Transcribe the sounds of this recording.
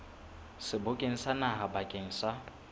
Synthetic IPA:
sɪbʊkʼeŋ̩sanaɦabakʼeŋ̩sa

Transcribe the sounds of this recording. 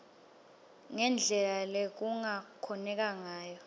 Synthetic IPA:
ŋɛnd͡ɮʱɛlalek̬uŋakʰɔnɛk̬ʼaŋaːjɔ

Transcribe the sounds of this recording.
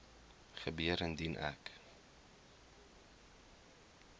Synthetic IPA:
χəbiəɾəndinʔæ̰k

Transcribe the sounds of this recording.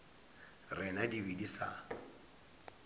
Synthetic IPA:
rɪnadibidisa

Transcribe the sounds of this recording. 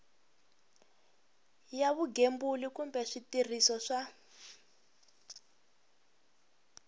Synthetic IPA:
jaβuɡembulikumbɛʂitir̤isɔʂa

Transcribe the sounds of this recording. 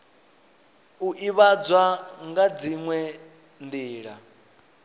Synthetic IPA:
uʔiβad͡zwaŋɡad͡ziŋwɛ | ndiːɺa

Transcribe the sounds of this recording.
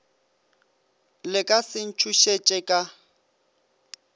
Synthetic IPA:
lɪkʼasɪn̩t͡ʃʰuʃet͡ʃʼɛkʼa

